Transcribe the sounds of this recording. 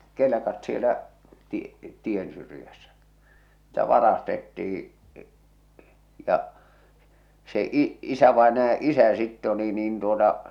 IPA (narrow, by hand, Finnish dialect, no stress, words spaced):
kelĕkɑt sielæ ti tiensyrĭjæsːæ si̥l̥tæ ʋɑrɑstetːih̞i̥ jɑ se i isæʋɑenɑjɑ ʔisæ sitːe oli niːn tuotɑ